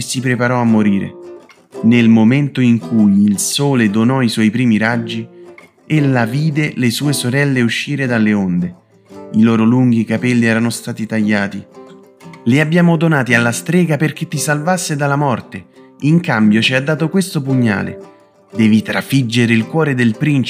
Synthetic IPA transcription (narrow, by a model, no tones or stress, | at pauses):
sipɾepaɾɔamːoɾiːɾḛ | nelmoment̪oiŋkʰujilsoːled̪onɔiswɔjpɾiːmiɾad͡ʒːi | elːaviːd̪elesuːesoɾɛlːeuʃːiːɾed̪alːeond̪e | ilɔːɾoluŋɡ̟ikapɛlːiɛːɾanost̪aːt̪it̪aʎːaːt̪i | liabjaːmod̪onaːt̪ialːast̪ɾɛːɡaperk̟et̪ːisalvasːed̪alamɔrt̪e | iŋkambjot͡ʃiad̪ːaːt̪okwest̪opuɲːa̰ːlḛ | d̪ɛːvit̪ɾafid͡ʒːeɾeilkwɔːɾed̪elpɾint͡ʃ